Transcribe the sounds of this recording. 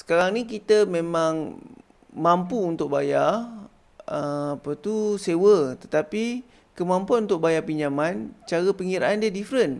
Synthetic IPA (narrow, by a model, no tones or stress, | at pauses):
sə̥kaɾaŋnikit̪əmẽmãŋ | mãmpuːnt̪ʊk̚baja | əapat̪usewət̪ət̪api | kəmãmpuanunt̪ʊk̚bajapiɲamant͡ʃaɾəpəŋiɾa̰ʔandadifɾən